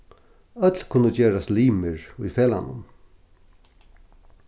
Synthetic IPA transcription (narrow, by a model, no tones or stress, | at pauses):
œt̪lkʰʊnəd͡ʒeːɾast̪liːmɪɹʊjfeːla̰nʊ̰n